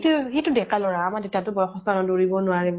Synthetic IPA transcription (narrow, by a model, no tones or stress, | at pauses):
tuxetudɛkalɔɹaːmadetatʊbɔjɔxɔstanɔdoɹibɔnʊaɹib